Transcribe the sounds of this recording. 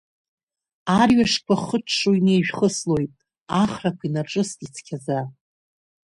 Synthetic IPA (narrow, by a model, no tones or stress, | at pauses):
arɥaʂkʷʰaχəʈ͡ʂʰʂuinejʒᶣχəslo̞jtʼ | aχrakʷʰinaʈ͡ʂʼɨstʼit͡sʰkʲʰaza